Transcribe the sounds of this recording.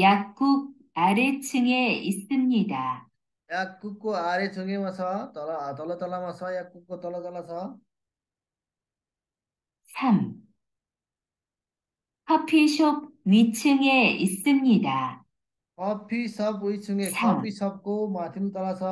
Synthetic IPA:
jak̚k͈uɡ̚ | aɾet͡ɕʰɯŋeis͈ɯmɲida | jak͈ːukk͈ːoaɾet͡ɕʰɯŋemasʰʌt̪ʌlt̪ʌlʌt̪ʌlamasʰʌjak̚kuk̚ːot̪ʌlʌt̪ʌlasʰʌ | sʰam | kʰʌpʰiɕʰob̚it͡ɕʰɯŋe̞is͈ɯmɲida | kʌpʰisʌbujt͡ɕʰɯŋesʰamisʰʌp̚k͈omat̪ʰɯnt̪ʌlasʰʌ

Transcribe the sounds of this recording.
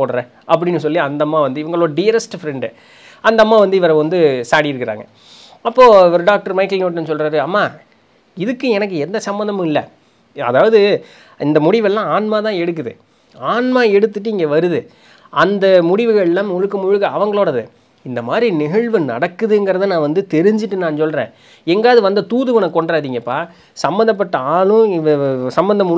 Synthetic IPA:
poːɽɾɐ̃ | ʔɐp̬ːɐɽɪnːɯs̬ɔlːiɐnd̪ɐmːaːʋɐnd̪ɯɪʋɐŋɡɐɭoːɽɐɖɪjɐɾɛsʈfɾɛɳɖɯ | ɐnd̪ɐmːaːʋɐnd̪ɯɪʋɐɾɐʋɐnd̪ɯsaːɽijɪɾɯkːɪɾa̰ːŋɡɐ | ɐpːoːɪʋɐɾɯɖaːk̚ʈɐɾmɐɪk̬ːɐlnoːʈːɐnːɯsɔlɾaːɾɯɐmːaː | ɪðɯkːɯɛnɐk̬ːɯɛnd̪ɐsɐmbɐnd̪ɐmʊ̃ɪlːɐ | ɐ̰ðaːʋɐðɯ | ʔɪnd̪ɐmʊɽɪʋɛlːãːaːnmaːt̪ãːɛɽɯk̬ːɯðɯ̰ | aːnmaːɛɽɯt̪ːɯʈːɯɪŋɡeːʋɐɾɯðɯ | ɐnd̪ɐmʊɽɪʋɯɣɐɭɛlːãːmʊɻɯkːɯmʊɻɯɣɐɐʋɐŋɡɐɭoːɽɐðɯ̰ | ɪnd̪ɐmaːd̪ɾinɪɣɐɭʋɯnɐ̰ɽɐkːɯðɯɛŋɡɪɾɐðɯnãːʋɐnd̪ɯt̪ɛɾɪɲd͡ʒɯʈːɯnãːnsɔlɾḛ̃ː | ɛŋɡaːðɯʋɐnd̪ɐt̪uːðɯʋɐnɐkɔɳɖɾaːðiːŋɡɐpːaː | sɐmbɐnd̪ɐp̬ːɐʈːɐaːlɯ̃ɪʋɐsɐmbɐnd̪ɐmʊ

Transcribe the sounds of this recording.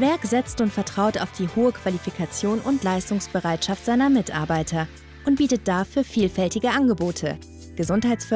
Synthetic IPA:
vɛɐkz̥ɛt͡stʊntfɛɐtʁ̥aʊta̰ʊfd̥iːhoːəkv̥alifikʰat͡sjoːnʊntlaɪstʊŋsb̥əʁaɪtʃaftz̥aɪnɐmɪtʔa̰ɐbaɪtʰɐ | ʔʊnt̚b̥iːtət̚d̥afyːɐfiːlfɛltɪɡəʔanɡəboːtʰə̰ | ɡ̥əzʊnthaɪtt͡sfʏ

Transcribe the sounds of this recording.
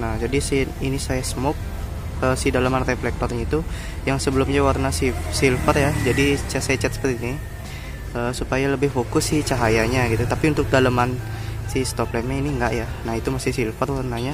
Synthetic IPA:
nahd͡ʒadisiinisajasəmɔk̚ | əsidalamanrɛflɛk̚t̪ɔrɲait̪u | jaŋsəbəlʊmɲawarnasɪsilfərjad͡ʒadisajat͡ʃɛt̪̚sə̥pərt̪ini | əːsupajaləbɪhfokʊsːɪht͡ʃaɦajaɲaɡit̪ut̪apiunt̪ʊk̚dalaman | sɪhst̪ɔplemɛiniŋɡaʔjanahit̪umasɪhsilfərwarnaɲa

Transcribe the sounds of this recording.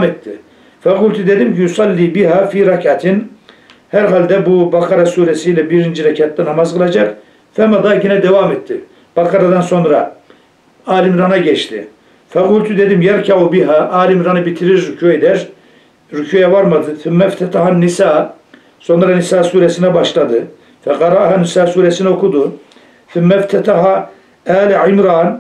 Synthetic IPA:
met̪ːi | fɛɡult̪ʰud̪ed̪imcijusˤɑlːiːbiɦaːfiːɾɑkat̪ʰin | hæɾɦald̪ɛbubɑqʰɑɾasuːɾɛsilɛbiɾind͡ʒiɾacʰat̪ːanɑmazqɨlˠɑd͡ʒɑq | fɛmad̪aɟinɛd̪ɛvaːmɛt̪ːi | b̥ɑqʰɑɾad̪anso̞nɾa | aːɾimɾanaɟɛʃt̪ʰḭ | fɛqulʲt̪ʰud̪ed̪imjaɾcʰaʕubiɦaʔaːlimɾanabit̪ʰiɾiɾːucʰued̪ɛɾ | ɾucʰujɛvaɾmad̪ɯθumːæft̪ʰɛt̪ahanːisaː | so̞nɾanisaːsuːɾɛsinɛbɑʃlˠad̪ɯ | fɛqɑɾɑhanːisaːsuːɾɛsinɛo̞kud̪u | θumːɛft̪ʰɛt̪aɦa | æːlʕimɾaːn

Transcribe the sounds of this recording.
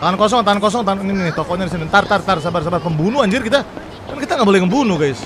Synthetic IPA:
t̪aankɔs̬ɔŋt̪ankɔs̬ɔŋt̪aninɪt̪ɔkɔʔɲadis̬init̪art̪art̪arsabarsabarpəmbunuaɲd͡ʒɪrkit̪a | kankit̪aŋɡabolɛhməmbunuɡajɪs

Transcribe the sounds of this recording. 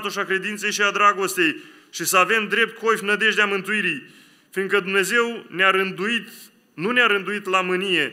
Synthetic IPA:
t̪uʃakɾe̞d̪int̪se̞jʃiad̪ɾaɡo̞st̪e̞j | ʃisəave̞md̪ɾe̞p̚t̪̚kojfnəd̪e̞ʒd̪eamɨnt̪uiɾij | finɡ̪kəd̪umne̞ze̞wnaɾɨnd̪uit̪ | nuneaɾɨnd̪uit̪lamɨnije̞

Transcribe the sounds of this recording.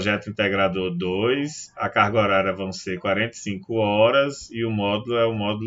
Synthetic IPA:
ʒɛt̪ʊĩnt̪ɛɡɾad̪od̪ojsɐkaɾɡɔɾaɾɐvɐ̃w̃seɾkwaɾẽnt̪ɐsĩkʊɔɾɐziʊmɔd̪ulʊɛũmɔd̪ul

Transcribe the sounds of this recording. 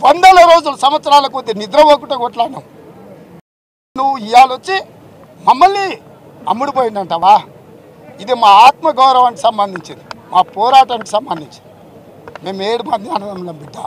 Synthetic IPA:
ʋɐnd̪ɐlɐɾo̞ːd͡ʒulɐsɐmʋɐt̪sɐɾaːlɐk̬od̪ːenid̪ɾɐʋoːkuʈɐɡɔʈlaːnem | nuʋːuijaːlot͡ʃːi | mɐmːɐlːi | ɐ̰mːuɽip̬oːjind̪ɐɳʈaːʋaː | id̪imaːaːt̪mɐɡɐwɾɐʋɐnʈ̬i̥sɐmbɐnd̪ʱiɲt͡ʃind̪imaːpɔːɾaːʈɐnʈi̥sɐmbɐnd̪ʱiɲt͡ʃind̪ii | ime̞ːmeːɽimad̪aːnɐnɐmlɐmbiɖːa̰ːm

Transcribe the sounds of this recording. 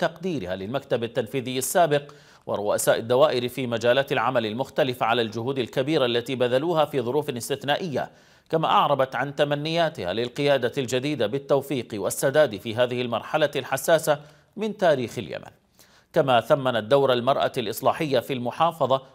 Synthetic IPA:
t̪ɑqd̪iːɾɪhaːlɪlmakt̪abat̪ːanfiːðɪjːasːaːbɪq | wʔɪ̰ɾˤʊʔasaːʔɪd̪ːawaːʔɪɾfiːmad͡ʒaːlaːt̪ɪlʕamalɪlmʊxt̪alɪfaʕalald͡ʒʊɦuːd̪alkabiːɾaʔlːat̪iːbad̪aluːhafiːðˤʊɾuːfɪlɪst̪ɪθnaːʔɪjːa̰ | kama̰ːʔɑʕɾˤɑbɑt̪ʕant̪amanːɪjːaːt̪ɪha̰lɪlqɨjaːd̪ald͡ʒad̪iːd̪abɪt̪ːawfiːqwasːad̪aːd̪fiːɦaːðɪhɪlmɑɾˤħalalħasːaːsa | mɪnt̪aːɾiːxɪlja̰ma̰n | kamaθamːanat̪̚d̪awɾalmɑɾˤʔa̰lʔɨsˤlɑːħɪjːafilmʊħɑːfɑðˤɑ

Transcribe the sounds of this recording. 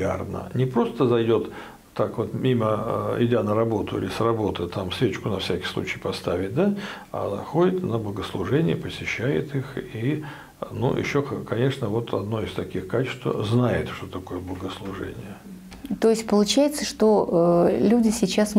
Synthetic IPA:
a̰rnə̰nʲɪpɾo̞st̪əzɐjdʲo̞t̪ː | akvo̞t̪mʲiməɪdʲanəɾɐbo̞t̪ʊɪ̰lʲɪsrɐbo̞t̪ɨt̪amsvʲet͡ɕkʊnɐfsʲækʲɪ̥jslˠṵt͡ɕɪjpɐst̪avʲɪt̚ʲd̪aa̰xo̞dʲɪt̪nəblˠəɡəslˠʊʐɛnʲɪəpəsʲɪɕːæjɪ̰t̪ixi | nṵɪ̰ɕːoxkɐnʲe̞ʂnəvo̞t̪ʰɐ̰d̪no̞ɪst̪ɐkʲixkat͡ɕɪ̥st̪və̰znajɪ̰t̪ʂt̪ot̪ɐko̞jəblˠəɡəslˠʊʐɛ̰nʲɪ̰jə | t̪ojɪsʲt̚ʲpəlˠʊt͡ɕæjɪt̪səʂt̪oəlʲudʲɪsʲɪt͡ɕas

